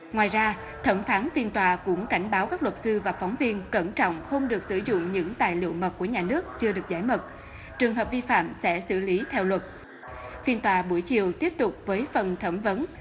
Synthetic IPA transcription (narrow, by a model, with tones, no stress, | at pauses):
ŋwaː˨˩jzaː˧ | t̪ʰə˧˩mfaː˨˦nfi˧nt̪waː˨˩kʊ̰˧˥ŋ͡mka˧˩jŋ̟ɓaː˨˦wkaː˦˥k̚lwə˨˩t̚sɨ˧vaː˨˩fɔ˨˦wŋ͡mvi˧ənkə˧˩nt͡ɕɔ̰˧˨wŋ͡mxə˧wŋ͡mɗɨ˨˩ək̚sɨ˧˩zʊ̰˧˨ŋ͡mɲɨ̰˧˥ŋt̪a̰ː˨jlḭ˧˨əwmə˨˩t̚ku˧˩əɲaː˨˩nɨ˦˥ək̚t͡ɕɨ˧əɗɨ˨˩ək̚zaː˧˥jmə˨˩t̚ | t͡ɕɨ˨˩əŋɦəː˨˩p̚vi˧fa̰ː˧˨msɛ̰˧˥sɨ̰˧˩li˨˦t̪ʰɛ˧wlwə˨˩t̚ | fi˧ənt̪waː˨˩ɓu˧˩əjt͡ɕḭ˧˨əwt̪i˦˥əp̚t̪ʊ˨˩k͡p̚vəː˨˦jfə˨˩nt̪ʰə˧˩mvə˨˦n